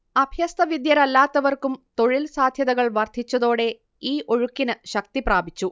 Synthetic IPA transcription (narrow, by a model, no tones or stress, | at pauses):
ɐbʱjɐst̪ɐʋid̪jɐɾɐlːaːt̪ːɐʋɐrkumt̪o̞ɻilsaːd̪ʱjɐðɐɣɐɭʋɐrd̪ʱit͡ɕːɐðo̞ːɽe̞ | iːʔo̞ɻukːinɨɕɐk̚t̪ipraːbʱit͡ɕːu